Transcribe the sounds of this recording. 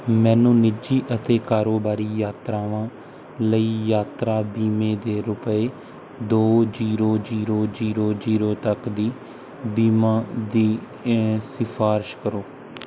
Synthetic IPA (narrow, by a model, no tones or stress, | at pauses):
mɛ̃ːnũːnɪd͡ʒiːʔət̪eːkaːɾoːbaːɾiːjaːt̪ɾaːʋãː | ləiːjaːt̪ɾaːbiːmẽːd̪eːɾʊpəeː | d̪oːd͡ʒiːɾoːd͡ʒiːɾoːd͡ʒiːɾoːd͡ʒiːɾoːt̪əkd̪iː | biːmãːd̪iː | sɪfʰaːɾɪʃkəɾoː